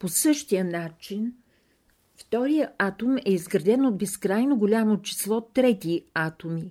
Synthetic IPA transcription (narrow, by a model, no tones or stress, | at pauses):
posɤʃt̪ijənat͡ʃin | ft̪ɔɾijəat̪omɛizɡɾɐd̪ɛnod̪̚bɛskɾajnoɡolʲamot͡ʃi̥slˠɔt̪ːɾɛt̪iat̪omi